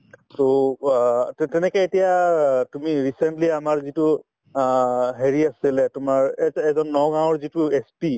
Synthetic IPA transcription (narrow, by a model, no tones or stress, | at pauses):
so | tɛnɛkɛetijatumiɹisentliamaɹzitu | ɦeɹiasilɛtʊmaɹɛɛzɔnːɔɡãw̃ɔɹzituespi